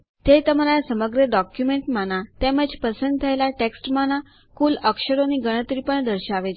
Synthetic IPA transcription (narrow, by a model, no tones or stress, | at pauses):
t̪et̪əmɾajasəməɡɾəɖɔkjumeɳʈmanat̪ɛməd͡ʑpəsənd̪̚t̪ʰəjlaʈeksʈmana | kuːləkɕəɾoniɡəɽ̃ət̪ɾiːpəɳd̪əɾɕaʋe